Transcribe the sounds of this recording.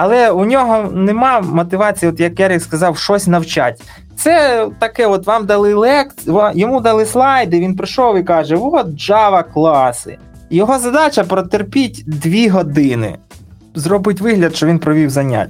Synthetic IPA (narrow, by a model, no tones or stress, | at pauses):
ɐlˠɛunʲɔɦɔnemɑmɔt̪ɪʋɑt͡sʲijɔt̪jɐkjaɾʲikskɐzɑwʃɔsʲnɐwt͡ʃa̰tʲ | t̪sɛt̪ɐkɛɔt̪ʋɑmd̪ɐlˠɪlˠɛkʲʋjɔmud̪ɐlˠɪslˠɑjd̪ɪʋʲinpɾɪʃɔwikɑʒɛʋɔʒɑʋɐklˠɑsɪ̰ | jɔɦɔzɐd̪ɑt͡ʃɐpɾɔt̪erpʲitʲd̪ʋʲiɦɔd̪ɪnɪ̰ | zrɔbɪtʲʋɪɦlʲɐd̪ʃt͡ʃɔʋʲinpɾɔʋʲiwzɐnʲa̰tʲː